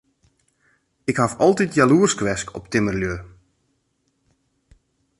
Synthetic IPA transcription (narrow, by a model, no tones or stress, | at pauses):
ɪkhafɔlˠtitjaluərskʋɛskʰɔ̰p̚tɪmərljø